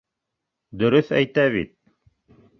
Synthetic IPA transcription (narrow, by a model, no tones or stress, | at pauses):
d̪ɵ̆ɾɵθæ̰jt̪æβit̪̚